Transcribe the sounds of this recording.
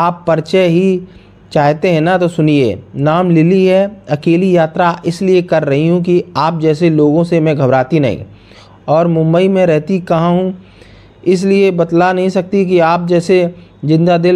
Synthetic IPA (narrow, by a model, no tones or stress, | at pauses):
aːpːɐɾt͡ʃɛɦi | t͡ʃaːɦt̪eɦɛ̃nat̪osʊniḛːnaːmlɪliɦɛɐkeːlijaːt̪ɾaʔɪsliekɐɾːɐɦiɦũkiaːp̚d͡ʒɛːseloːɡõsemɛ̃ɡʱɐbɾaːt̪inɐ̰ɦḭ̃ː | ɔːɾmʊ̃mbəimẽɾɛɦt̪ikɐɦãɦũ | ɪs̬liebɐt̪lanɐɦĩsɐk̚t̪ik̬iaːp̚d͡ʒɛːsed͡ʒɪ̃nd̪ad̪ɪl